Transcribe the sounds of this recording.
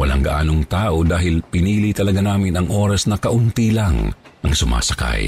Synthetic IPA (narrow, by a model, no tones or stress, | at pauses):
wɐlaŋɡɐʔaːnoŋt̪aːʔod̪aːhɪlpɪniːlit̪ɐlɐɡanaːmɪnɐŋʔo̞ːɾɐsnɐkɐʔʊnt̪ilaŋʔɐŋsʊma̰ːsɐka̰j